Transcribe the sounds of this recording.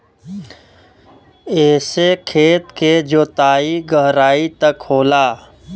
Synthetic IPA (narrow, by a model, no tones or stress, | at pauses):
eːsekʰeːt̪ked͡ʒoːt̪aːiɡəɦɾaːit̪əkʰːoːlaː